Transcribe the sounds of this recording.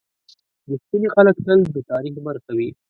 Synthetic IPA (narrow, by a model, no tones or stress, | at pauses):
d̪əspinexaləkt̪əld̪ət̪ɑɾixbəɾkawi